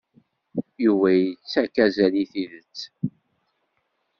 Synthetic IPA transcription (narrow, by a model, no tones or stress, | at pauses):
juvæjət͡sːækæzæliθiðət͡sː